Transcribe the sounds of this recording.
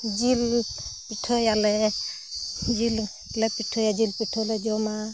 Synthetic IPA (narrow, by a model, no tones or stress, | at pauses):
d͡ʒilpiʈʰɔjalɛ | d͡ʒil | lɛpiʈʰɔjad͡ʒilpiʈʰɔlɛd͡ʒɔma